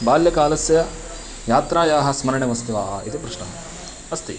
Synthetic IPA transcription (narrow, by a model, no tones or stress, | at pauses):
baːljɐkaːlɐsjɐ | jaːt̪ɾaːjaːɦɐ̆smɐɾɐɳeʋɐst̪iʋaːɦɐit̪ipɾuʂɳɐɦɐ | ɐst̪ḭ